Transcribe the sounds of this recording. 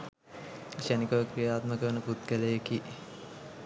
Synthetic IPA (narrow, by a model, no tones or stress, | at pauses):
ʃænikəʋəkɾijaːt̪məkəənəput̪̚kælejeki